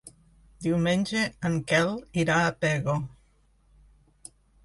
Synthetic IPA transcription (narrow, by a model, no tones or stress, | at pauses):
d̪iwmenʲd͡ʒeəŋkɛliɾaːpɛɣo